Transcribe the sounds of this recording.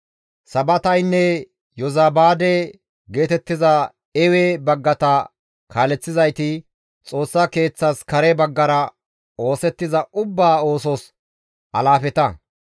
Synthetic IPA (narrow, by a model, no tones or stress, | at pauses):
sɐbɐt̪ɐjnːɛ | jɔzaːbaːd̪ɛ | ɡe̞ːt̪ɛt̪ːɪzɐ | ɛwɛbɐɡːɐt̪ɐ | kʰaːlɛt͡sːɪzɐjt̪ɪ | t͡sʼo̞ːsːake̞ːt͡sːɐskɐɾɛbɐɡːɐɾɐ | o̞ːsɛt̪ːɪzɐʊbːaːo̞ːsɔs | ʔɐlaːfɛt̪ɐ